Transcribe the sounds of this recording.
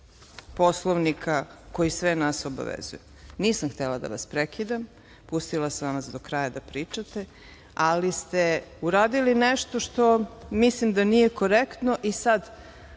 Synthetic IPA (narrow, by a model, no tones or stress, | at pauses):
po̞slˠoʋnikʰako̞jisʋenasoba̰ʋḛzṵju | niːsamxt̪elad̪a̰ʋa̰spɾekid̪am | pust̪ilˠasʋamasd̪okɾajad̪apɾiːt͡ʃat̪e | alist̪euɾaːd̪ilineʃt̪oʃt̪o̞mislimd̪anije̞ko̞ɾekt̪no̞ʔisad̪